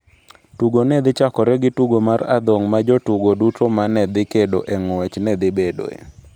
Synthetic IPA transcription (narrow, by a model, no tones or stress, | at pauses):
tuɡonɛd̪ɪt͡ʃakɔɾɛɡɪtuɡomara̰d̪ɔŋmad͡ʒotuɡodutomanɛd̪ɪkedoʔeŋɛt͡ʃnɛd̪ɪbedo̰ḛ